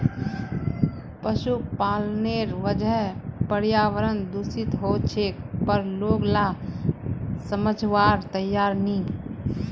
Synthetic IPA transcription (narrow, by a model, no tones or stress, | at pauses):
pəʃupaːlneɾʋəd͡ʒəɦpəɾjaːʋəɾənd̪usɪt̪ɦot͡ʃʰekpəɾloːɡla | səməd͡ʒʱʋaːɾt̪əjːaːɾnĩ